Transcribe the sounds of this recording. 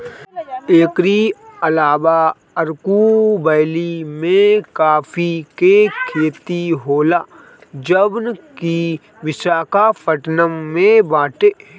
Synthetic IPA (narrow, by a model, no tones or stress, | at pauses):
eːkɾiəlaːʋa | əɾkubəjlimẽkaːfʰikekʰeːt̪iɦoːlaː | d͡ʒəbnki | ʋɪʃaːkapʰəʈnəmːẽbaːʈeː